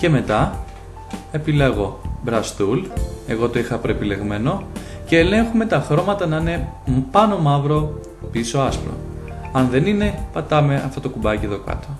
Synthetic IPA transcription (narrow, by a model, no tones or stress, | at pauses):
ce̞me̞t̪ɐ | e̞pileɣo̞bɾɐst̪ule̞ɣo̞t̪o̞ixɐpɾo̞e̞pile̞ɣme̞no̞ | ce̞ːle̞ŋxume̞t̪ɐxɾo̞mɐt̪ɐnɐine̞ | pɐno̞mɐvɾo̞ | piso̞ɐspɾo̰ɐnðe̞nine̞pɐt̪ɐme̞ɐ̰ft̪o̞t̪okubɐcieðo̞kɐ̰t̪o